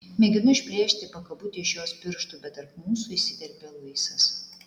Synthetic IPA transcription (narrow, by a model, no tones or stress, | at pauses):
mʲɛɡʲɪnʊɪʒʲbʲɾʲeːʃʲt̪ʲɪpɐkɐbʊt̪ʲɪɪʃjoɔsbʲɪɾʃt̪ubʲɛt̪ɐɾpmuːsʊɪsʲɪd̪ʲɛɾʲbʲelˠɐɪsɐs